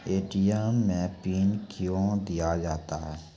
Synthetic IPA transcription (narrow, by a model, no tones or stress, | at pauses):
eːʈijaːmẽːpiːnkjõːd̪ijad͡ʒaːt̪aɦɛː